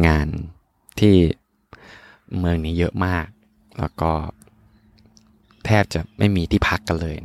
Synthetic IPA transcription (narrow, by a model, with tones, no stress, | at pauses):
ŋaː˧n | t̪ʰiː˥˩ | mɯ˧ŋniː˦˥jɤ˦˥ʔmaː˥˩k̚ | lɛ̰˦˥wkɔː˥˩ | t̪ʰɛː˥˩p̚t͡ɕa˨˩ʔma̰˥˩jmiː˧t̪ʰiː˥˩pʰa˦˥kːa˧nlɤː˧j